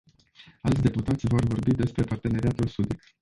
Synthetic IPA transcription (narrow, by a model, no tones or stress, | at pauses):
alt̪sʲd̪e̞put̪at̪sʲvo̞rvo̞rbid̪e̞spɾe̞part̪e̞ne̞ɾiat̪ulsud̪ik